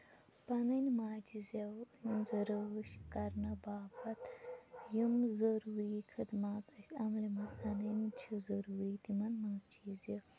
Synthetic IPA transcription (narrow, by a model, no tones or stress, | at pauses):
pɐnɐnimaːt͡ʃizɐwinzɐɾəʃikɐɾnɐbaːbɐt̪jimzɐɾuːɾiːkʰid̪maːt̪ɐsɐmlimɐzʰɐnɐnt͡ʃʰizɐɾuːɾiːt̪imɐnmɐzt͡ʃiːzɐ